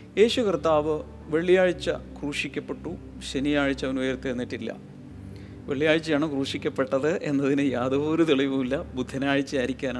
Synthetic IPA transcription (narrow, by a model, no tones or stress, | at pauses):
e̞ːɕukrt̪ːaːʋɨ | ʋe̞ɭːijaːɻit͡ɕːɐ̰kruːʂikʲːɐpːe̞ʈːu | ɕenijaːɻit͡ɕːɐʋɐnujɐrt̪ːijenːiʈːilːɐ̰ | ʋeɭːijaːɻit͡ɕːɐjaːɳɨkruːʂikʲːɐpːe̞ʈːɐðɨʔe̞̰nːɐðinɨjaːd̪ɐʋoːɾut̪iɭiʋumilːɐbud̪ʱːɐnaːɻit͡ɕːɨaːɾikʲːaːnaː